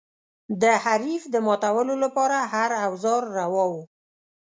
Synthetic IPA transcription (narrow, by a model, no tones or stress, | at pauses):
d̪əhaɾifd̪əmɑt̪awəlolapɑɾahaɾawzɑɾːawɑwu